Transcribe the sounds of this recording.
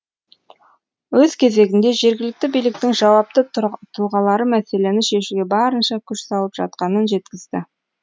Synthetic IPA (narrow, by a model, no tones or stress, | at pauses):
wɵz̥kʲʰe̞ze̞ɡʲɪnd̪e̞ʒe̞ɾɡʲɪlɪk̚t̪ɪbijlɪk̚t̪ɪŋʒɑwɑp̚t̪ət̪ʰuʁɑlˠɑɾəmæse̞le̞nɪʃe̞ʃuɡʲe̞bɑɾənʃɑkʲʰʏʃsɑlˠəpʒɑ̰t̪̚qɑnənʒe̞t̪kʲɪzd̪ɪ